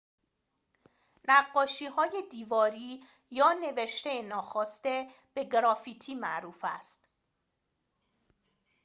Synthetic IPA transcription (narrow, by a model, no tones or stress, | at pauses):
næɢːɒːʃiːɦɒːje̞d̪iːvɒːɾiː | jɒːne̞veʃt̪ejenɒːxɒːst̪e̞ | b̥e̞ɡɾɒːfiːt̪ʰiːmæʔɾuːfæ̰st̪